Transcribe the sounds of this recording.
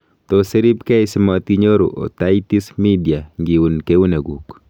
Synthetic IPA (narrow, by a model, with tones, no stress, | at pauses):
t̪ɔse˦ɾi˦pkɛ˦ɪ˦sɪ˦mɔ˨t̪̚ki˦ɲo˦ɾo̰˨ʔo̰˨t̪aiti˦smi˦di˨a˨ŋɡi˨wu˨nke˦u˦ne˨ɡu˨k